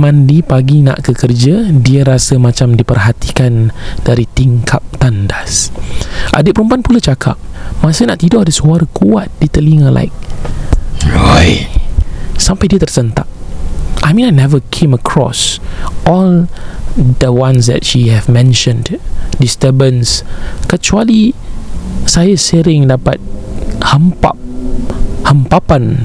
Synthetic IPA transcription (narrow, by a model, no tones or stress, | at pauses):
mãndipaɡina̰ʔkəkərd͡ʒadiəɾasəmãt͡ʃamdipərɦat̪i̥kand̥aɾit̪iŋkʰap̚t̪andas | ʔa̰dət̪̚pəɾumpanpulat͡ʃakʰa̰p̚masənaʔt̪idɔdəsuaɾəkuat̪̚dit̪əliŋəlʔa̰ɪk̚ | ɹa̰j | sampajdiət̪ərsənt̪a̰ʔ̚ʔajmĩnanɛvəkʰẽməkʰɹɔ̰sʔɔl | d̪əwãnsdɛ̰t̚ʃihɛvmɛ̃nʃə̃nddistəbə̃nskət͡ʃuali | sajaəsəɾɪ̃ŋdapa̰t̪̚hə̃mpa̰p̚ | hə̃mpapãn